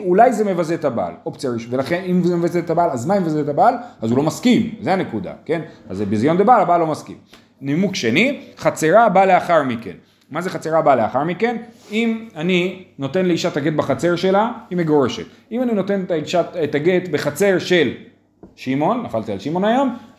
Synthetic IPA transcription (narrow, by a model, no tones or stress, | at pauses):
ulajzeme̞vazetaba̰lopt͡seʁiʃvelaχe̞nimzemevazet̪abalazmaimevazet̪abalazulo̞maskimzeane̞kud̪a̰ke̞na̰zebizjo̞nd̪ebalabalo̞maskḭm | nimukʃe̞niχat͡seʁabale̞aχaʁmike̞̰n | mazeχat͡seʁabalea̰χaʁmike̞nimanino̞t̪e̞nleiʃat̪aɡe̞t̪baχat͡se̞ʁʃe̞lahimeɡo̞ʁe̞ʃe̞t̪ | imanino̞t̪e̞netaiʃatetaɡe̞t̪be̞χat͡se̞ʁʃe̞l | ʃimo̞nːafalt̪ia̰lʃimo̞najom